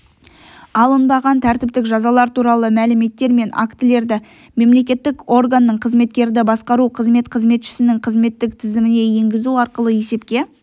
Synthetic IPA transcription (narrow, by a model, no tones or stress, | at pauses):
ɑlˠənbɑʁɑnt̪ʰæɾt̪ɪp̚t̪ɪkʒɑzɑlˠɑɾt̪uɾɑlˠəmælɪme̞t̪ːe̞ɾme̞na̰kt̪ɪle̞ɾd̪ɪ | me̞mle̞kʲe̞t̪ːɪko̞rɡanːəɴqʰəzme̞t̪kʲe̞ɾɪd̪ɪbɑsqɑɾuqʰəzme̞t̪qʰəzme̞t̪ʃɪ̥sɪnɪŋqʰəzme̞t̪ːɪk̚t̪ʰɪzɪmɪne̞je̞ŋɡʲɪzuɑɾqəlˠəje̞se̞pkʲe̞